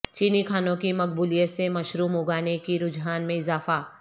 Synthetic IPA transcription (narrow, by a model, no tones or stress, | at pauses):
t͡ʃiːnikʰaːnõkimɐk̚buːlijət̪semɐʃɾuːmʊɡaːnekiɾʊd͡ʒɦaːnmẽɪzaːfaː